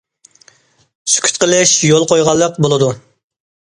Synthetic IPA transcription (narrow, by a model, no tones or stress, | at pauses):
sy̥kʲʰy̥t̪̚qəlˠɪʃjolˠqʰojʁɑlˠːəqbolˠɨd̪u